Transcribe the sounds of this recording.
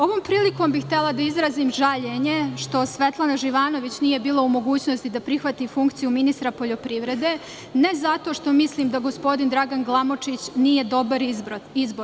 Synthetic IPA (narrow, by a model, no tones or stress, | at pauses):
o̞ʋo̞ːmpɾiːliko̞mbixt̪elˠad̪aizɾaziːmʒaʎe̞ɲe̞ʃt̪o̞sʋe̞t̪lˠanaʒiʋaːno̞ʋit͡ɕnije̞biːlˠoumo̞ɡuːt͡ɕno̞st̪id̪apɾixʋat̪ifuŋkt̪sijuminist̪ɾapo̞ʎo̞pɾiʋɾe̞d̪e̞ | ne̞zat̪o̞ʃt̪o̞mislˠiːmd̪aɡo̞spo̞d̪ind̪ɾaɡanɡlˠamo̞t͡ʃit͡ɕnije̞d̪o̞baɾizboɾ